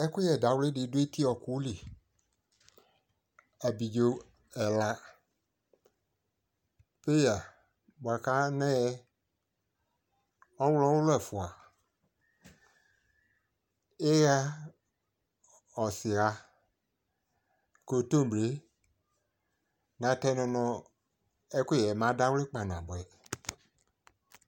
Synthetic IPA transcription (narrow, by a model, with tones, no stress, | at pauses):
ɛ˦kʊ˦jɛ˨da˨˦wle˦di˨˦dʊ˦e˦ti˦ɔ˨ku˦li˨ | a˨bi˨d͡ʒo˨˦ | ɛ˨la˨ | pe˦ja˨ | ɡ͡ba˨ka˦nɛ˦ɛ˦ | ɔ˦wlɔ˦wʊ˦lɛ˨fu˨a˨ | e˦ja˦ | ɔ˨si˨a˨ | ko˨to˦˨be˨˦ | nã˨tɛ˦nɔ̃˨nɔ̃˨ | ɛ˦kʷe˦˨jɛ˨mã˨˦da˦wlɪ˦k͡pa˨n˨ã˨bɛ˨